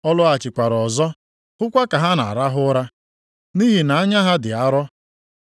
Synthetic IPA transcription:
ɔ˦lʊ˦a˨t͡ʃɪ˨kʷa˨ɾɔ˨zɔ˦ | hʊ˦kʷa˦ka˨ɦa˦na̰˨ɾa˦ɦʊ˦ɾa˦ | ni˦ɦi˨na˨a˦ɲa˦ɦa˦dɪ˨a˦ɾɔ˦

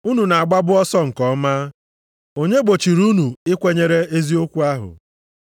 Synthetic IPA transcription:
u˦nu˨na˨a˨ɡ͡ba˦bʊ˦ɔ˦sɔ˦ŋ̩˨kɔ˦ma˦ | o˦ɲe˦ɡ͡bo˨t͡ʃi˨ɾu˦nu˨ɪ˦kʷe˦ɲe˦ɾe˦e˦zi˦o˦kʷu˦a˦ɦʊ̰˨

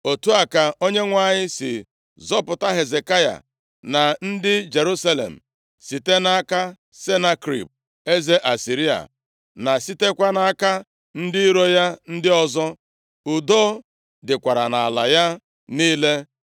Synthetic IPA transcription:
o˨tu˦a˨ka˨o˦ɲe˦ŋʷa˨ɲɪ˦sɪ̰˨ | zɔ˦pʊ˨ta˦ɦe˨ze˨ka˦ja̰˨ | na˨n̩˦dɪ˦d͡ʒe˨ɾu˦sa˦lḛ˨m̩˨ | si˨te˦na˦a˦ka˦ | se˦na˦kɾḭ˨p̚ | e˦ze˦ʔa˨si˨ɾi˦a̰˨ | na˨si˦te˦kʷa˦na˨a˦ka˦ | n̩˦dɪ˦ɾo˦ja˦n̩˦dɪ˦ɔ˦zɔ˦ | ʊ˨do˦ | dɪ˨kʷa˨ɾa˨na˨a˨la˨ja˦ | niː˦le˦

